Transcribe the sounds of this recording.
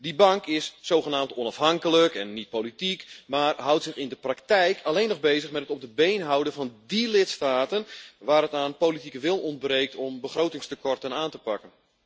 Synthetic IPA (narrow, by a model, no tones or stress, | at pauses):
dibɑŋkɪsːowɣənaːmtɔnɑfɦɑŋkələkɛnːit̚politikmaːrɦʌwtsɪxɪndəpraktɛjkʰalejnːɔɣbejzəxmɛtətɔp̚dəbejnɦawdəvɑndilɪtstaːtənʋaːɾətaːnpoːlitikəʋɪlˠɔnd̚breːk̚tʰɔmbəxrowtɪŋstəkɔrtənaːntəpakən